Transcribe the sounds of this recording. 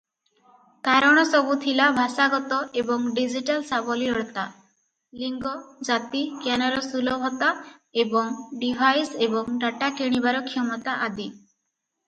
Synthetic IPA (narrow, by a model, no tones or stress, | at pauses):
kaɾɔɽ̃ɔsɔbut̪ʰilabʱasaɡɔt̪ɔʔebɔŋɖid͡ʒiʈalsabɔliɔɽt̪a | liŋɡɔd͡ʒat̪ikjanɔɾɔsulɔbʱɔt̪aebɔŋɖibʱajsebɔŋɖaʈakeɽ̃ibaɾɔkʰijɔmɔt̪aʔad̪i